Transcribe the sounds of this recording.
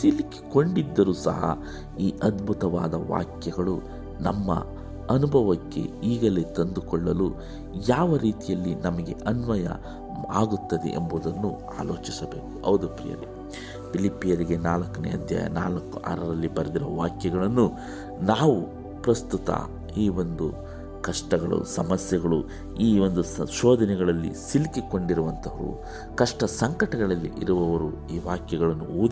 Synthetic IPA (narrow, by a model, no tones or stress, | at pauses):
siliki̥ko̞ɳɖid̪ːɐɾuːsɐ̰ɦɐ̰ | iːʔɐd̪bʱut̪ɐʋa̰ːd̪ɐʋa̰ːkjɐɡɐɭu | nɐmːɐ̰ | ɐnubʱɐʋɐkːe̞̰iːɡɐle̞ːt̪ɐnd̪ukɔɭːɐlu | jaːʋɐɾiːt̪ijɐlːinɐmɐɡe̞̰ʔɐnʋɐjɐ̰ | aːɡut̪ːɐd̪ḛʔḛmbud̪ɐnːu | a̰ːlo̞ːt͡ʃisɐbe̞ːku̥ɐwd̪upɾḭjɐ̰ɾe | pilipːijɐɾiɡe̞naːlɐkːɐnɛ̰ɐd̪ʱja̰ːjɐ̰naːlɐkːuʔa̰ːɾɐɾɐlːibɐɾɐd̪iɾɐʋaːkjɐɡɐɭɐnːu | naːʋu | pɾɐst̪ut̪ɐ̰ | iːʋo̞nd̪u | kɐʂʈɐɡɐɭṵsɐmɐsjɐɡɐɭu | iːo̞nd̪uʃɔːd̪ʱɐnɛɡɐɭɐlːḭsilikiko̞ɳɖiɾuʋɐnt̪ʰɐʋɐɾṵ | kɐʂʈɐsɐŋkɐʈɐɡɐɭɐlːḭʔiɾuʋɐʋɐɾuiːʋaːkjɐɡɐɭɐnːuuːd̪